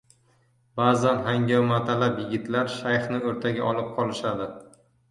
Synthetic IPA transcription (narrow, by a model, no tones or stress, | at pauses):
b̥azanɦaŋɡʲamat̪ʰalapjɪɡʲɪt̪laɾʃajχnɪɵɾt̪ʰaɡʲaʔɒlˠɨp̚qʰɒlɪʃad̪ɪ